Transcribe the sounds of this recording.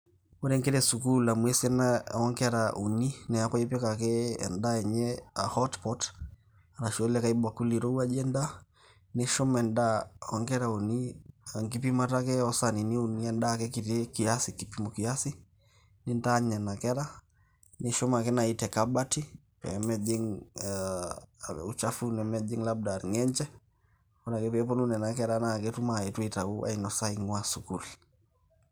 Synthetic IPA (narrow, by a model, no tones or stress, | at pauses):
uɾɛŋɡɛɾɛsukulamwɛsiɛnaɔŋɡɛɾaʔuninɛakɔipɛkakɛɛ̰ndaɛɲɛahɔtpɔt | ɾaʃɔlɛkaibakuliɾɔuad͡ʒɛnda | nɛʃɔmɛndaɔŋɡɛɾauniaŋɡipimatakɛɔsaniniuniɛndakɛkitɛkiasikipimɔkiasi | nintaɲɛnakɛɾa | nɛʃɔmakɛnaitɛkabati | pɛ̰mɛd͡ʒiŋ | ut͡ʃafunɛmɛd͡ʒiŋlab̚daɾŋɛɲt͡ʃɛ | ɔnakɛpɛɛp̬ɔnunɛnakɛɾanakɛtumaɛtwitauʔa̰inɔsaiŋwasukul